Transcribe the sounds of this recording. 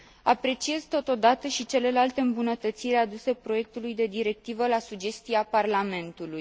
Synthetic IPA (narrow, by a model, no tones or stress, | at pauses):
apɾe̞t͡ʃie̞zt̪o̞t̪o̞d̪at̪əʃit͡ʃe̞le̞lalt̪e̞ɨmbunət̪ət̪siɾead̪use̞pɾo̞je̞k̚t̪ulujd̪e̞d̪iɾe̞k̚t̪ivəlasud͡ʒe̞st̪iaparlame̞nt̪uluj